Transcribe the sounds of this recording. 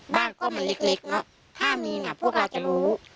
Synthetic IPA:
baː˧˩ŋkɔː˧˩˨maː˧˦le˦˧˥k̚le˧˦˥k̚nɔ˦˥ʔ | t̪ʰaː˧˥˩miː˨˦naː˧˩pʰu˥˩ək̚laː˧˩t͡ɕa˧˨luː˨˦

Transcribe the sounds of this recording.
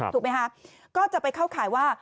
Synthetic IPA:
uː˨˩kma˦˥kʰa˦˥ | kɔː˥˩t͡ɕa˨˩pa˧jkʰaː˥˩wkʰaː˩˦jwaː˥˩

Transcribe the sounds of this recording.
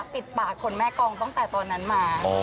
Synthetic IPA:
p̪i˨˩t̪̚paː˨˩kʰːo˧nmɛː˦˥˩kɔː˧ŋt̪ɔ˥˩ŋt̪ɛː˨˩t̪ɔː˧nːa˦˥nmaː˧

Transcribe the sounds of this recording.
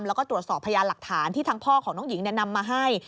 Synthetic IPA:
mlɛ˦˥kɔː˥˩t̪ɾu˨˩ət̪sɔː˨˩pʰːa˧jaː˧nla˨˩k̚t̪ʰaː˩˦nt̪ʰiː˥˩t̪ʰaː˧˥ŋpʰɔː˥˩kʰɔː˩˦ŋnɔː˦˥ŋji˩˦ŋni˥˩na˧mːaː˧ɦa˥˩j

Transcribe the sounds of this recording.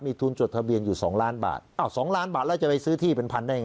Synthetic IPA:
miː˧t̪ʰuː˧nt͡ɕu˨˩t̪̚t̪ʰa˧bi˧ənjuː˨˩sɔ̰ː˩˦ŋlaː˦˥nba̰ː˨˩t̪̚ʔa˧˩wsɔː˩˦ŋlaː˦˥nbaː˨˩t̪̚lːt͡ɕa˨˩pa˧jsɯː˦˥t̪ʰiː˥˩pe˧npʰa˧nda˥˩jŋ

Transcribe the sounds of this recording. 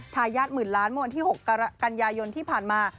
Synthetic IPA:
t̪ʰaː˧jaː˥˩t̪̚mɯː˨˩nlaː˦˥nmɯ˥˩wa˧nt̪iː˥˩ho˨˩kːka˧njaː˧jo˧nt̪ʰiː˥˩pʰaː˨˩nmaː˧

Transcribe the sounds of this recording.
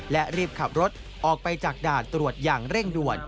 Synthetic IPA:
lɛ˦˥ʔɾiː˥˩p̚kʰa˨˩p̚ɾo˦˥t̪̚ | ʔɔː˨˩k̚pa˧jt͡ɕaː˨˩k̚daː˨˩t̪ːɾu˨˩ət̪̚jaː˨˩ŋɾe˥˩ŋdu˨˩ən

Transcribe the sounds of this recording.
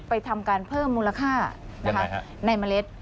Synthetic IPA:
pa˧jt̪ʰa˧mkaː˧npʰɤː˥˩mːuː˧la˧kʰaː˥˩na˦kʰa˦˥ | na˧jma˧le˦˥t̪̚

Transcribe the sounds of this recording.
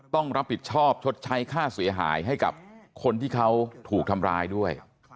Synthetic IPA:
t̪ɔ˥˩ŋɾa˦˥pʰːi˨˩t̪̚t͡ɕʰɔː˥˩p̚t͡ɕʰo˦˥t̪̚t͡ɕʰa˦˥jkʰaː˥˩si˨˩˦ɐɦa̰ː˩˦jɦa˥˩jka̰˨˩p̚kʰo˧nt̪ʰiː˥˩kʰa˦˥wt̪ʰuː˨˩k̚t̪ʰa˧mɾaː˧jdu˥˩əj

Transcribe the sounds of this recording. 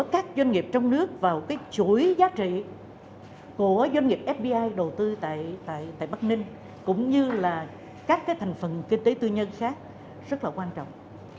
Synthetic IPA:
ə˨˦kaː˦˥k̚zwa˧ŋ̟ŋi˨˩əp̚t͡ɕɔ˧wŋ͡mnɨ˦˥ək̚vaː˨˩wkaː˨˦jt͡ɕu˧˩jzaː˨˦t͡ɕḭ˧˨ | ku˧˩əzwa˧jŋ̟ŋi˨˩p̚ʔɛ˦˥p̚ɓi˧ʔaː˧jɗə˨˩wt̪ɨ˧t̪a̰ː˧˨jt̪a̰ː˧˨jt̪a̰ː˧˨jɓa˦˥k̚nï˧ŋ̟ | kʊ̰˧˥ŋ͡mɲɨ˧laː˨˩ | kaː˦˥k̚ːaː˨˦jt̪ʰjŋ̟fə˨˩nkï˧ŋ̟t̪e˨˦t̪ɨ˧ɲə˧nxaː˦˥k̚ | zə˦˥t̚laː˨˩kwaː˧nt͡ɕɔ̰˧˨wŋ͡m

